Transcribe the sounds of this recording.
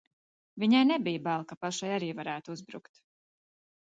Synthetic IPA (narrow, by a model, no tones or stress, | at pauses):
vʲiɲajnɛbijbalˠkapaʃajaɾiːvaɾæːt̪uuzbɾṵkt̪